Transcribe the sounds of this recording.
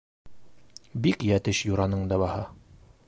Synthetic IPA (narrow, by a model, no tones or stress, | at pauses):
bikjæt̪ɘʃjuɾɑnɤɴd̪ɑβɑhɑ